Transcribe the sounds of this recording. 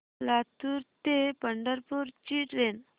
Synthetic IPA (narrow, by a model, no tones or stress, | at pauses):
lat̪uɾt̪epəɳɖəɾpuɾt͡ɕiʈɾen